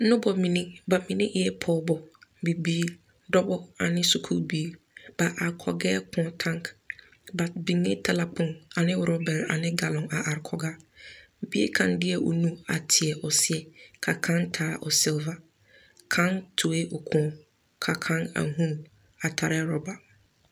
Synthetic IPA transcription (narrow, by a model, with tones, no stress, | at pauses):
ʊ̃˦bɔ˨mĩ˨nɪ̃˦ba˨mĩ˨nɪ̃˦ʔjɛ˦pʰɔ˦bɔ˨bi˨bi˦ | dɔ˦bɔ˦a̰˨nɪ̃˦su˨kʰṵ˦bi˦ | b̥a˨ʔa˨ɾkʰɔ̰˨ɡɛ˦kʰʊ̃˨˦tʰã˦ŋk | ba˨bi˨ŋɪ̃˦tʰa˨la˨pʰʊ̃˨na˨nɪ̃˦˨ɾɔ˦bɛ˨ɾa̰˨nɪ̃˦ɡa˨lɔ̃˨na˨ʔa˨ɾkʰɔ˨ɡa˦˨ | bi˦ḛ˦kʰã˨ndɪ˦ɛ˨ʔo̰˨nũ˦a˨tʰɪ˨ɛ˨ʔɔ˨sɪ˦ɛ˨kʰa˨kʰã˦ntʰaː˨˦ʔɔ̰˨sɪ˦lva˨ | kʰã˦ntʰʊ˨e˦ʔɔ˨kʰʊ̃˨˦ | kʰa˨kʰã˦na̰˨ɦũ˦ | a˨tʰa˨ɾɛ˦ɾɔ˨ba˨